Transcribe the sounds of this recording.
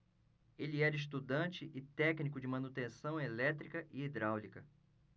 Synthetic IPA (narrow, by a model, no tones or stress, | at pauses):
elɪɛɾɐɪʃ̬t̪ud̪ɐ̃t͡ʃɪʔɪt̪ɛknikʊd͡ʒɪmɐ̃nut̪ẽsɐ̃w̃elɛt̪ɾikɐʔɪid̪ɾawlikɐ